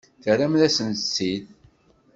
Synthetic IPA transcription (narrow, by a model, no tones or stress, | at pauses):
θəɾæmðæsənsːið